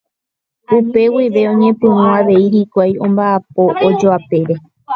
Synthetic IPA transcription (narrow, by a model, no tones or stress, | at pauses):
upe̞wiʋe̞õ̞ɲẽ̞pɨ̃wũaʋe̞iɾikʷajõ̞mbaap̚o̞ʔod͡ʒoape̞ɾe̞